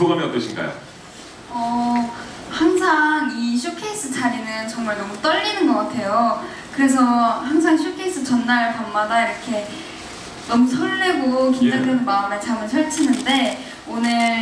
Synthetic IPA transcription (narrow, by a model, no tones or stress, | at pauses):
oɡamiʌp̚t͈ʌɕʰinɡa̰jo̰ | ʌ | haŋsʰaŋiɕʰukʰeis͈ɯt͡ɕaɾinɯnt͡ɕʌŋmaɭnʌmut͈ʌʎːinɯnɡʌk͈atʰe̞jo | kɯɾe̞s̬ʰʌhaŋsʰaŋɕʰukʰeis͈ʰɯt͡ɕʌnːaɭpammadaiɾʌkʰe̞ | nʌmusʰʌɭːeɡokind͡ʑaŋɡʰɯnmaɯmet͡ɕamɯnsʰʌɭt͡ɕʰinɯnde̞ | onɯɭ